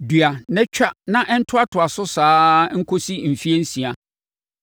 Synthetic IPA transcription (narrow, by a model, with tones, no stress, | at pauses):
dɥa˨nɛ̃˦t͡ɕᶣa˦nã˦ʔɛ˦n̩˦tʰʊ˦a˦tʰʊ˨a˨sʊ˦saː˦ŋ̩˦kʰo˦si˦m̩˨fi˦e˦n̩˦sĩ˨a˨